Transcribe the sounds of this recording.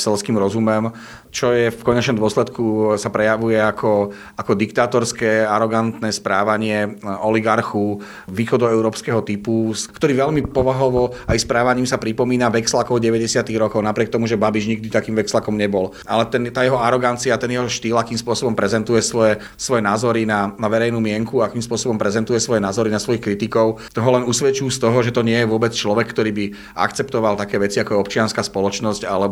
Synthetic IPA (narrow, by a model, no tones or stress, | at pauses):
sɛlskiːmɾɔzumɛm | t͡ʃɔjɛfkɔɲɛt͡ʃnɔmd̪ɔslɛt̪kusapɾɛjaʋujɛakʰɔ | akɔd̪ikt̪aːt̪ɔɾskɛaɾɔɡant̪nɛːspɾaːʋaɲɪɛɔliɡaɾxu | ʋiːxɔd̪ɔɛʊɾɔːpskɛɦɔt̪ipuskt̪ɔɾiːʋɛʎmipɔʋaɦɔʋɔajspɾaːʋaɲiːmsapɾipɔmiːnaʋɛkslakɔʊɟɛʋɛɟɛsɪat̪iɣɾɔkɔʊnapɾɪɛk̚t̪ɔmuʒɛbabiʒɲiɡ̚d̪it̪akiːmʋɛkslakɔmɲɛbɔl | a̰lɛt̪ɛnt̪aːjɛɦɔaɾɔɡant͡siat̪ɛnjɛɦɔʃt̪iːlakiːmspʊɔsɔbɔmpɾɛzɛnt̪ujɛsʋɔɛ | sʋɔjɛnaːzɔɾinanaʋɛɾɛjnuːmɪɛŋkuaakiːmspʊɔsɔbɔmpɾɛzɛnt̪ujɛsʋɔjɛnaːzɔɾinasʋɔjixkɾit̪ikɔʊt̪ɔɦɔlɛnusʋɛt͡ʃuuːst̪ɔɦɔʒɛt̪ɔɲɪɛjɛʋʊɔbɛt͡st͡ʃlɔʋɛkːt̪ɔɾiːbi | a̰kt͡sɛpt̪ɔʋalt̪akɛːʋɛt͡siakɔjɛɔpt͡ʃɪanskaːspɔlɔt͡ʃnɔscalɛ